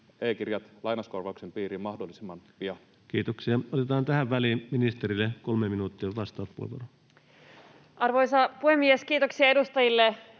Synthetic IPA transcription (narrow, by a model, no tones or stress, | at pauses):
eːkirjɑt̪lɑinɑskorʋɑuksempiːɾimɑhdolːisimːɑnpiɑ | kiːt̪oksiɑot̪et̪ɑːnt̪æhæʋʋæliːminist̪eɾilːekolmeminuːt̪ːiɑʋɑst̪ɑːt̪pṵhḛʋo̰ro | ʔɑrʋojsɑpuhemːieskiːt̪oksiɑe̞dust̪ɑjilːe